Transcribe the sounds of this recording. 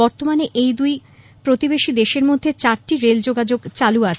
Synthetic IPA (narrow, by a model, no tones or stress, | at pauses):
ɔɾt̪omaneʔejd̪uj | pɾot̪ibeʃid̪eʃeɾmod̪ʱːet͡ɕaɾʈiɾeld͡ʑoɡad͡ʑoɡt͡ɕaluat͡ɕʰ